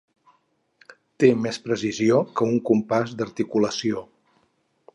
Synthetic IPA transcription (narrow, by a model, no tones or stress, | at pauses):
t̪emɛspɾəsiziokəuŋkumpazd̪əɾt̪ikuləsio